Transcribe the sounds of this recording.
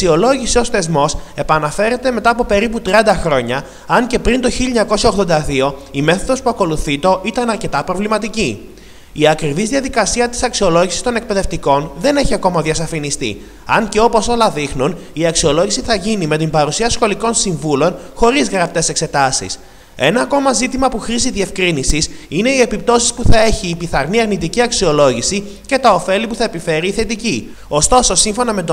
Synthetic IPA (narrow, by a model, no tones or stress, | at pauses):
ɐksio̞lo̞ʝisio̞sθe̞zmo̞se̞pɐnɐfe̞ɾe̞t̪e̞me̞t̪ɐːpo̞pe̞ɾiput̪ɾiɐnd̪ɐxɾo̞ɲɐ | ɐɲce̞pɾint̪o̞çilʎɲɐko̞siɐoɣðo̞nd̪ɐðio̞ime̞θo̞ðo̞spuɐko̞luθit̪o̞ʔit̪ɐnɐɾce̞t̪ɐpɾo̞vlimɐt̪ici | iɐkɾivizðiɐðikɐsiɐt̪i̥sɐksio̞lo̞ʝisi̥st̪o̞ne̞k̚pe̞ðe̞ft̪iko̞nðe̞ne̞çiɐko̞mɐðiɐsɐfinist̪ḭ | ɐnce̞o̞po̞so̞lɐðixnuniɐksio̞lo̞ʝisiθɐʝinime̞t̪̬imbɐɾusiɐsxo̞liko̞nsiɱvulo̞nxo̞ɾizɣɾɐp̚t̪e̞se̞kse̞t̪ɐsḭs | e̞nɐːko̞mɐzit̪imɐpuxɾiziðie̞fkɾinisisine̞iepip̚t̪o̞si̥spuθɐe̞çiːpiθɐɾniɐɾnit̪iciɐksio̞lo̞ʝisi | ce̞t̪ɐo̞fe̞lipuθɐepife̞ɾiːθe̞t̪ici | o̞st̪o̞so̞siɱfo̞nɐme̞t̪o